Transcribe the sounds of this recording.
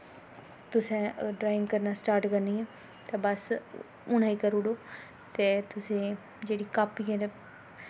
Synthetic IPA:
t̪ʊsẽːɖɾaːɪ̃ŋɡkəɾnaːsʈaːɾʈkəɾniːɛː | t̪eːbəs | ʊɽaːikəɾʊɽoː | t̪eːt̪ʊsẽː | d͡ʒeːɽiːkaːpikeɾ

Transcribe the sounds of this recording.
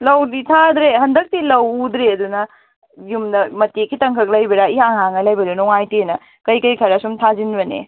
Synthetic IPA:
lɐwditʰad̪ɾehɐndɐk̚tilɐwd̪ɾeɐd̪unɐ | jumdɐmɐtekʰitɐŋkʰɐk̚lɐjbɐɾaiɦaŋɦaŋɐlɐjbɐdenɔŋajtinɐ | kɐjkɐjkʰɐɾɐsumtʰazinbɐnḛ

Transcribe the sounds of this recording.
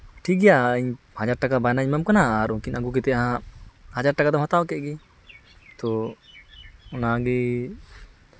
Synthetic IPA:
ʈʰik̚ɡɛjaəɲ | had͡ʒaɾʈakabajnaɲmamkanaaaɾɔ̃kinaɡuk̬ɛt̪ɛaɦãhad͡ʒaɾʈakad̪ɔmɦɔt̪awakɛʔ̚ɡɛ | t̪ɔ | ɔnaaɡɛ

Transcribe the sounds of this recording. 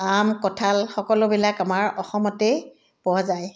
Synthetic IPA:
amkɔtʰalxɔkɔlʊbilakamaɹɔxɔmɔte | pɔwazaj

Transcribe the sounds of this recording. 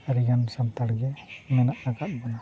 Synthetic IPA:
aɾiɡansant̪aɽɡɛmɛnaʔaɡat̪̚bɔna

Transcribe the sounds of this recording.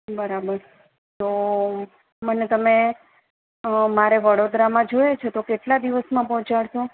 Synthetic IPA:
bəɾabəɾ | t̪o | mənet̪əme | maɾeʋəɽod̪ɾamãd͡ʒojet͡ʃʰet̪okeʈlad̪iʋəsmãpɔɦt͡ʃaɭʃõ

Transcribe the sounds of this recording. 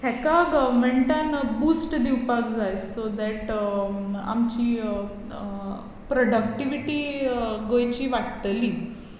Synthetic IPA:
hɛkaɡəʋmeɳʈanbuːsʈd̪iwpakd͡zajsod̪ɛʈ | a̰mt͡ɕiː | pɾoɽək̚ʈiʋiʈiːɡojt͡ɕiːʋaʈt̪əliː

